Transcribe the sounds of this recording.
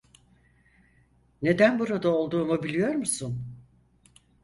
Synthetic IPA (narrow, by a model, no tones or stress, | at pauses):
ne̞d̪ænbuɾad̪aolˠd̪uːmubilʲijo̞ɾmusun